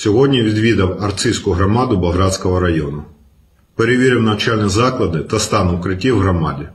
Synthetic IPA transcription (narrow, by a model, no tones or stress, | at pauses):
sʲɔɦɔdʲnʲiʋʲid̪ʋʲid̪ɐwɐrt̪sʲijsʲkʊɦɾɔmɑd̪ʊbɐɦɾɑd̪ʲsʲkɔɦɔɾɐjɔnʊ | peɾeʋʲiɾʲɪwnɐt͡ʃɑlʲnʲizɑklˠɐd̪ɪt̪ɐst̪ɑnʊwkɾɪtʲiwɦɾɔmɑ̰dʲi